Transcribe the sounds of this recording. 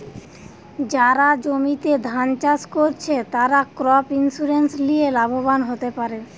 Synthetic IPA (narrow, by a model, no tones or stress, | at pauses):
d͡ʑaɾad͡ʑomit̪ed̪ʱant͡ɕaskoɾt͡ɕʰet̪aɾakɾɔpinsuɾenslielabobanɦot̪epaɾe